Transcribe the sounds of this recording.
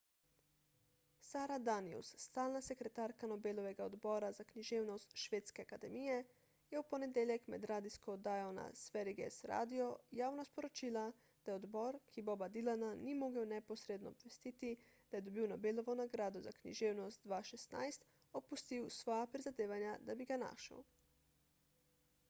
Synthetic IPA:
saːɾad̪aniusːt̪aːlnasɛkɾɛt̪aːɾkanɔbeːlɔʋɛɡaɔd̪bɔːɾazakniʒeːwnɔst̪ʃʋeːt̪skɛakad̪ɛmijɛ | jɛwpɔnɛd̪eːljɛkmɛ̰d̪ɾaːd̪iskɔd̪aːjɔna̰sʋɛɾiɡɛ̰sɾa̰ːd̪iɔjaːwnaspɔɾɔt͡ʃiːla | d̪̥ajɛɔd̪bɔɾkʰibɔbad̪ilananimoːɡəwnɛpɔsɾeːd̪nɔːbʋɛst̪it̪i | d̪̥ajɛd̪ɔbiwnɔbeːlɔʋɔnaɡɾaːd̪ɔzaknḭʒeːwnɔst̪̚d̪ʋaːʃɛst̪na̰jst̪ | ɔpust̪iwsʋɔːjapɾizad̪eːʋanjad̪abiɡana̰ːʃə̰w

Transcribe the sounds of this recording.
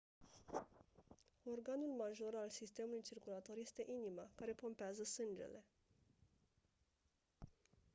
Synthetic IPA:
o̞rɡanulmaʒo̞ɾalsist̪e̞mulujt͡ʃirkulat̪o̞rje̞st̪e̞ʔinimakaɾe̞po̞mpeazəsɨnd͡ʒe̞̰le̞

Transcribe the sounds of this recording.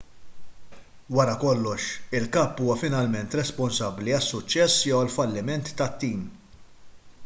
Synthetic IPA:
wɐɾɐkɔlːɔʃɪlkɐːpːuːwɐfɪnɐlmɛnt̪ɾɛspɔnsɐbːliɐsːʊt͡ʃːɛsːjɔwɐlfɐlːɪmɛnt̪ːɐt̪ːiːm

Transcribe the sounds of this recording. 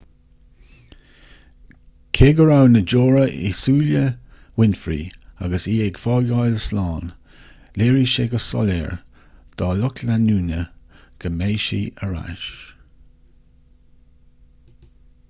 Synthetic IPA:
kʰeːɡəɹawnəd͡ʒoːɹəʔḭsuːlə | wɪnfɾḭːa̰ɡəsiːɛɡfɑːlɡajləslɑːn | leːɹiʃeɡəsɔ̰lɛ̰ːɹ | d̪̥ɑːlʊkʰlanuːnəɡ̥əmeːʃḭːəɹa̰ʃ

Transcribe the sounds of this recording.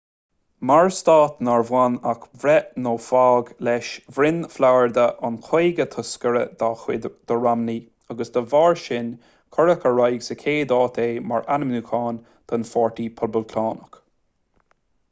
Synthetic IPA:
maɹst̪aːt̪naɹvwanakvɾɛnoːfaːɡlɛʃvɾɪnflawəɹd̪əʔankʰojɡət̪ʰʊskəɾəd̪̥axwɪ̰d̪̥əɹamni | aɡəsd̪̥əvaːɹʃɪn | kʰɔɹəkəɹajɡsəkʰeːd̪ɑːt̪ʰeːma̰ɹʔanəmnukʰaːn | t̪ʰənfɔɹt̪ipʰɔlbəlkʰaːnək

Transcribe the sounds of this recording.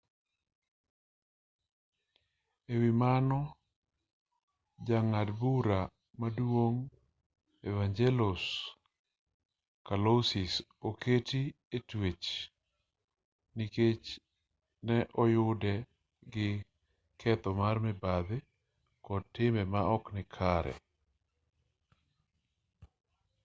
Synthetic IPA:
ewɪmanɔ | d͡ʒaŋadbuɾa | madwoŋ | evaɲd͡ʒɛlʊs | kalosɪs | oketi | etwet͡ʃ | niket͡ʃ | nɛʔɔjʊdɛ | ɡɪ | kʰɛt̪ɔmarmɛbad̪ɪ | kɔd̚tːɪmɛmaɔknɪkʰaɾɛ̰

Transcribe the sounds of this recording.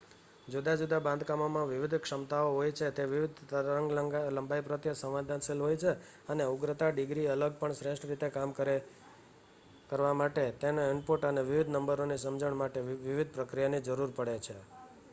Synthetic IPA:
d͡ʒud̪ad͡ʒud̪abãnd̪ʱkamomãʋɪʋɪd̪ʱkʂəmt̪aoɦojt͡ʃʰet̪eʋɪʋɪd̪ʱəəŋɡləmbaipɾət̪jəsə̃ʋʋad̪ʱansilɦojt͡ʃʰe | əneuɡɾət̪aɖɪɡɾiələɡ̚pəɳsɾeʃʈɾit̪ekamkəɾe | kəɾʋamaʈet̪enoɪɳɖpuʈəneʋɪʋɪd̪ʱnəmbəɾonisəmd͡ʒəɳmaʈeʋɪʋɪd̪̚ʱpɾəkɾijanid͡ʒəɾuɾpəɽet͡ʃʰe

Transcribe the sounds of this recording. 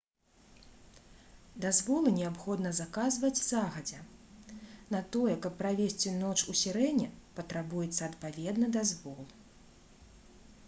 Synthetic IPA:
d̪azvɔlˠɨnʲɛapxɔd̪nɐzakazvɐd͡zʲzaɣɐd͡zʲɛ | nɐt̪ɔjɛkɐpːɾavʲesʲt͡sʲinɔt͡ʂusʲɛɾɛnʲɛpɐt̪ɾabujɛt̪sːɐːt̪pavʲɛd̪nɐd̪azvɔlˠ

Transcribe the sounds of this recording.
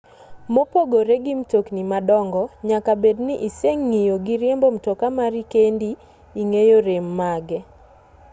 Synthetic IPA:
mopoɡoɾeɡimtoknimadɔŋɡɔɲakabednɪʔiseŋːijoɡiɾjembom̩tokamaɾikendi | iŋejoɾemːaɡɛ

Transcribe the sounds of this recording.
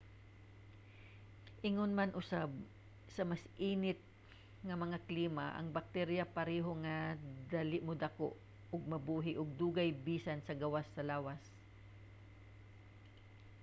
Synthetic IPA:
ʔɪŋonmanʔʊsab̚ | sɐmɐsʔiːnɪt̪̚ | ŋɐmɐŋakliːmaʔɐ̰ŋbɐk̚t̪ɛɾjɐpɐɾɛːɦoŋad̪alɪʔmod̪ɐko̰ʔ | ʊɡ̚mɐbuːɦɪʔʊɡ̚d̪uːɡɐjbiːsansɐɡɐwasːɐlaːwas

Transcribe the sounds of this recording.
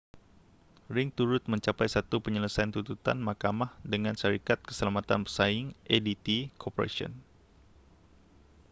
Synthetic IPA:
ɾɪŋt̪uɾʊt̪̚məɲt͡ʃapajsat̪upəɲələsajant̪ut̪ut̪anmakamahdəŋanʃaɾikat̪̚kə̥səlamat̪anpərsaɪŋʔedit̪ikopoɾa̰siɔ̰n

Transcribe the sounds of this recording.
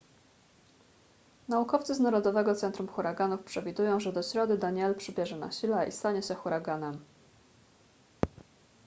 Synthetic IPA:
naukɔft̪sɘznaɾɔd̪ɔvɛɡɔt̪sɛnt̪ɾumxuɾaɡanufpʂɛvʲid̪ujɔ̃w̃ʐɛd̪ɔɕɾɔd̪ɘd̪aɲɛlpʂɘbʲjɛʐɛna̰ɕilɛʔḭst̪aɲɛɕɛxuɾaɡanɛm

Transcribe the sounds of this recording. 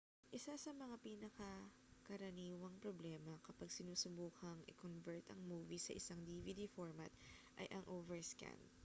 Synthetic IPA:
ʔɪsasɐmɐŋapiːnɐkɐ | kɐɾɐniːwɐŋpɾoblɛːmɐkɐpaɡ̚sɪnuːsʊbuːkʰɐŋʔɪ̰konvɛɹt̪ɐ̰ŋmuːvisɐʔɪsaŋd̪ivid̪ifoɹmɐt̪̚ʔɐjʔɐŋʔoːvɛɹska̰nd̪

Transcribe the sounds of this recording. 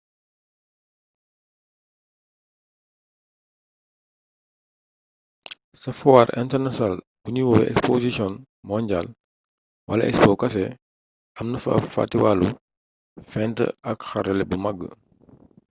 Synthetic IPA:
sɐfɔwaɾʔɛ̰ntɛrnasnal | buɲiwɔwɛ̰ʔɛ̰kspozisjɔn | mɔɲɟaːl | wʔɐlɐ̰ʔɛ̰kspɔkɐsɛ | ɐmnəfɐɐfa̰tːiwalu | fɛntə̰ɐkxɐɾɐlɛbumɐɡːə̰

